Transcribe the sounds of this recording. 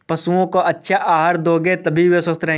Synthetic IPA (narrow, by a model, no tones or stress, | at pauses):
pɐsuõkoʔɐtːʃʰaʔaːɦɾd̪oːɡet̪ɐbʱiweswɐst̪ɾɐɦẽ